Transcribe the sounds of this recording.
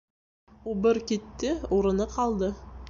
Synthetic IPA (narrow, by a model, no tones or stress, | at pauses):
obɪɾkʲet̪ːɪoɾənəqʰɑlˠd̪ə